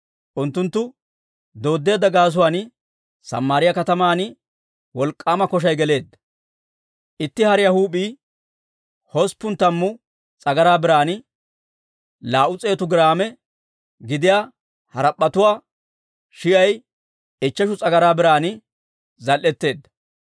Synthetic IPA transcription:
ʔʊnt̪ːʊnt̪ːʊ | d̪o̞ːd̪ːe̞ːd̪ːɐɡaːs̬ʊwaːn | sɐ̰mːaːɾɪjɐkɐt̪ɐmaːn | wɔlkʼːaːmɐkɔʃ̬ɐjɡɛle̞ːd̪ːɐ | ʔɪt̪ːɪhɐɾɪjɐhuːpʼiː | hɔspːʊnt̪ːɐmːʊ | t͡sʼɐɡɐɾaːbɪɾaːn | laːʔʊt͡sʼe̞ːt̪ʊɡɪɾaːmɛ | ɡɪd̪ɪjaː | hɐɾɐpʼːɐt̪ʊwaː | ʃɪjɐj | ɛt͡ʃːɐʃʊt͡sʼɐɡɐɾaːbɪɾaːn | zɐlʔɛt̪ːe̞ːd̪ːɐ̥

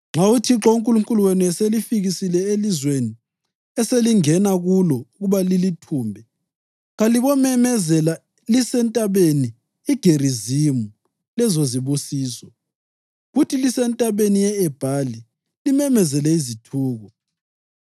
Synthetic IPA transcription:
ŋ͡ǁautʰiǁɔuŋkʼuluŋkʼuluweniɛselifiɣisilɛelizweni | ɛseliŋɛnaɣulɔuɣuβalilitʰuːmbʱɛ | ɣaliβɔmɛmɛzɛla | lisɛntʼaβeni | iɡ̥ʱerizimu | lɛzoziβusiːsɔ | ɣutʰilisɛntʼaβenijɛɛb̥ʱali | limɛmɛzɛlɛizitʰuːɣɔ

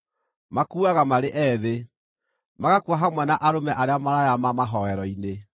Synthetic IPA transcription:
makuaɣamaɾeʔɛðe | maɣakuaɦamwɛnaʔaɾomɛʔaɾeamaɾajamamaɦɔɛɾɔine

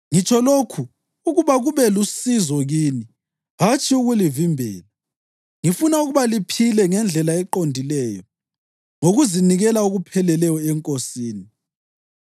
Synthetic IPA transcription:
ŋit͡ʃʰʼɔlokʰuː | ɣuβaɣuβɛlusizɔɣiːni | ɦat͡ʃʰʼiuɣulivimbʱɛ̰ːla | ŋifunauɣuβalipʰilɛŋɛnd͡ɮʱɛlaɛǃondʱilɛːjɔ | ŋoɣuziniɣɛlauɣupʰɛlɛlɛjɔɛŋkʼosiːni

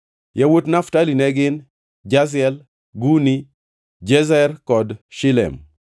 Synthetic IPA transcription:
jawotnaftalinɛɡɪn | d͡ʒas̬ɛl | ɡuni | d͡ʒɛzɛrkɔdʃɪlɛ̰m

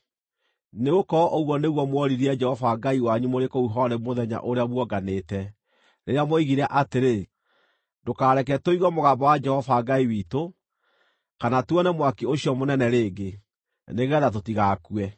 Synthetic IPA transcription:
neɣokɔʔoɣwɔneɣwɔmwɔɾiɾiɛd͡ʒɛhɔvaɡaiwaɲumoɾekouɦɔɾɛmoðɛɲa̰ʔoɾeaβwɔɡaneːtɛ | ɾeɾeamoiɣiɾɛʔateɾe | dokaːɾɛkɛtoiɣɔmoɣaːmbɔwad͡ʒɛhɔvaɡaiwiːto | kanatwɔnɛmwakioɕjɔmonɛnɛɾeːɡe | neɣɛðatotiɣaːkwɛ

